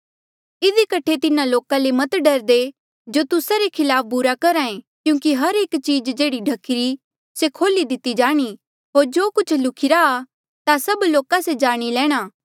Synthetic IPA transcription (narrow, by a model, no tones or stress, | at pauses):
ɪd̪ikɐʈʰet̪ɪnãloːkãlemɐt̪ɖɐɾd̪e | d͡ʒoːt̪ʊsaɾekʰɪlaːp̚ʰbuɾakɐɾaːẽ | kjũːkiɦɐɾeːkt͡ʃiːd͡ʒd͡ʒeːɽiɖʱɐkɪɾi | sekʰoːlid̪ɪt̪ːid͡ʒaːɽ̃i | ɦoːɾd͡ʒoːkʊt͡ʃʰlʊkʰɪɾaː | t̪asɐbloːkased͡ʒaːɽ̃ilɛ̃ːɽ̃aː